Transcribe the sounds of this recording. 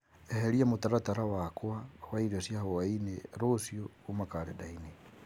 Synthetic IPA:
eheɾiamutaɾataɾawakwawaiɾosjahowaineɾosjo | umakaɾḛdaine

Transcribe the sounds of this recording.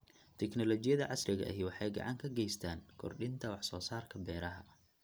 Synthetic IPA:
t̪ʰɛknɔlɔt͡ʃɪjɐðɐʕɑsrɪɣɐ̰ʔɦwɑħɑjɡɑ̰ʕɑŋkʰɐɡɛjst̪ʰaːŋkʰɔ̰rɖɪnt̪ʰɐwɑħsɔːsaːrkʰɐbɛːɾɐɦɐ̰

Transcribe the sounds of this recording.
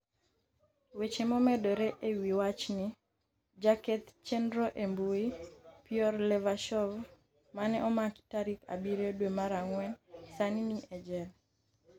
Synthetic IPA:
wet͡ʃemɔmɛdoɾeʔewiwat͡ʃni | d͡ʒakɛt̪t͡ʃendɾoʔembuipiɔrlɛvaʃɔv | manɛʔɔmaktaɾika̰biɾodwemaɾaŋwɛnsaniniʔɛd͡ʒɛl

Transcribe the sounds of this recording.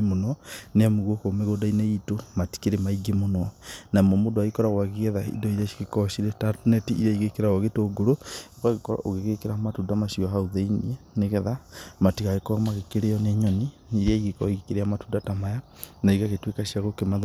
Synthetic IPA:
monɔneamoɣokomeɣoːdaineitomati̥keɾemaiɡemonɔnamɔmodoaɣikɔɾaɣwaɣiɣɛðaḭdɔiakekɔʃiɾetatnɛtiiɾaiɣekeɾaɣaɣetoɡoɾokaɣekɔɾa̰ʔoɣeɣekeɾamatudamaʃiɔɦauðeinieneɣɛðamatikaɣekɔmaɣekeɾeɔneɲɔniniɾiaiɣekɔiɣekeɾeamatuːndatamajanaiɣaɣetwekaʃiaɣokema

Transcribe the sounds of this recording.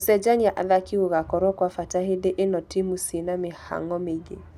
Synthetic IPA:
sɛd͡ʒaniaʔa̰ðakiuɣakɔɾɔkwafatahedeʔenɔtimusinamɪha̰ŋɔmeɡe

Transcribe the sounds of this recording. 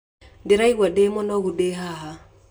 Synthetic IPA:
deɾaiɣwademɔnɔɣudeɦaɦa

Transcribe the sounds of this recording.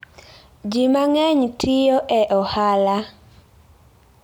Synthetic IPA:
d͡ʒimaŋɛɲtʰɪjoʔɛʔɔhala

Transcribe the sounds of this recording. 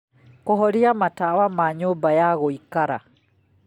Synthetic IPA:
koɦɔɾiamatawamaɲoːmbajaɣoikaɾa̰

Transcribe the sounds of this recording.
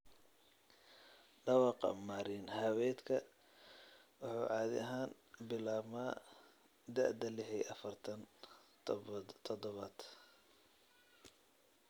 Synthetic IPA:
ɖɑwɑqɑ̰maːɾinhɐwɛːd̪kʰɐ | wɑħɑ̰ːʕɑːðɪ̰ɐɦaːn | bɪlaːmaː | d̪ɐ̰ʕd̪ɐlɪħɛʔɐfɐrt̪ʰɐn | t̪ʰɔd̪ɔβɐːd̪

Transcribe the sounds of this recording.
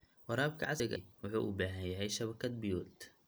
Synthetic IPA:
wɑɾaːb̚kʰɐ̰ʕɑsɪɡɐwʊħṵːʔʊ̰baːɦɐjɐɦɛjʃɐβɐkʰɐd̪̚bɪjuːlt̪

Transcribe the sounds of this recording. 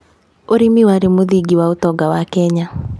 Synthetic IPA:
oɾimiwaɾemoðiɡiwaotɔɡawakɛɲa

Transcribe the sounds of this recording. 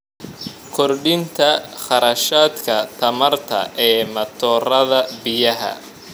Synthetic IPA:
kʰɔrɖɪnt̪ʰɐχɑɾɐʃaːd̪kʰɐt̪ʰɐmɐrt̪ʰɐ̰ʔɛːmɐt̪ʰɔːrɐðɐbɪjɐɦɐ̰

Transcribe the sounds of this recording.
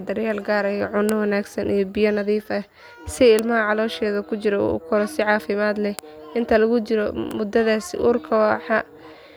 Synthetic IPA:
d̪ɐrjaːlɡaːɾɐjɔʕʊnːɐwɐnaːɡsɐnʔḭjɔbɪjɐnɐðiːfɐ | sɪɪlmɐɦɐʕɑlɔːʃɛːðɐkʰʊt͡ʃɪɾɔṵːʊ̰kʰɔɾɔsɪʕɑːfɪmaːd̪lɛʔɪnt̪ʰɐlɐɣʊt͡ʃɪɾɔmʊd̪ɐðaːsɪ̰ʔuːrkʰɐwɑħɑ

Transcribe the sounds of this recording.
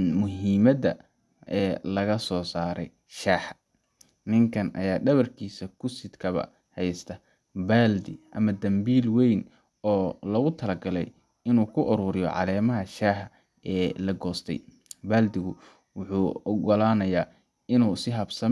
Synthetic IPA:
mʊɦiːmɐd̪ɐ | ʔɛːlɐɣɐsɔːsaːɾɛ̰j | ʃaːħɐ | nɪŋkʰɐnʔɐ̰jaːɖɐβɐrkʰiːsɐkʰʊsɪd̪kʰɐβɐ̰ | hɛjst̪ʰɐ | baːld̪ɪʔɐmɐd̪ɐmbiːlwɛjn | ɔːlɐɣʊt̪ʰɐlɐɡɐlɛ̰j | ɪnuːkʰʊʔɔɾʊːɾɪjɔ̰ʕɑ̰lɛːmɐɦɐʃaːħɐ | ɛːlɐɡɔːst̪ʰɛ̰j | baːld̪ɪɣʊ | wʊħuːɔɡɔlaːnɐjaː | ɪnuːsɪɦɐbsɐ

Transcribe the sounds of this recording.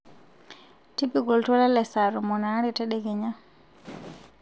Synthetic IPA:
tipiɡɔltɔlɛlɛsaɾumɔnaɾitɛɗɛɡɛɲa

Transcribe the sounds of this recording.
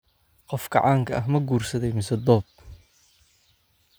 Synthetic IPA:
qɔfɡʰɐ̰ʕɑːŋkʰɐʔɐɦmɐɡuːrsɐðɛjmɪsɐd̪ɔːb̚

